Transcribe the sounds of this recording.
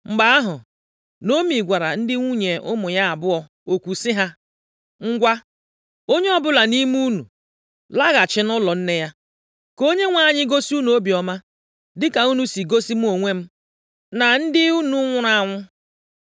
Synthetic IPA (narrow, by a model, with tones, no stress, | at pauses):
ŋ͡m̩˨ɡ͡ba˨a˦ɦʊ˨ | no˦mi˨ɡʷa˨ɾa˨n̩˦dɪ˦ŋʷu˦ɲe˨ʊ˦mʊ˨ja˦a˨bʊ˦ɔ˨ | o˨kʷu˨sɪ˦ɦa˦ | ŋ̩˦ɡʷa˦ | o˦ɲe˦ɔ˦bʊ˦la˨ni˦mu˦nu˨ | la˦ɣa˨t͡ʃɪ˨˦nʊ˦lɔ˨n̩˦ne˦ja˦ | ko˦ɲe˦ŋʷa˦˨ɲɪ˦ɡo˦si˦u˦nu˨o˦bi˨ɔ˨ma˦ | dɪ˦ka˨u˦nu˦si˨ɡo˦si˦m̩˦o˨ŋʷe˦m̩˦ | na˨n̩˦dɪ˦u˦nu˨˦ŋʷʊ˦ɾa˨ŋʷʊ˦